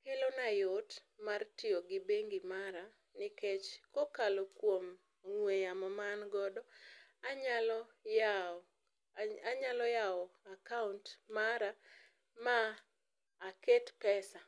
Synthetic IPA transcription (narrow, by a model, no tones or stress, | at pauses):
kelonajot | martioɡɪbeŋɡimaɾa | nɪket͡ʃkokalokwom | wejamɔmanɡɔdɔ | aɲalɔja | aɲalɔjaɔakauntmaɾa | maː | ketpɛsa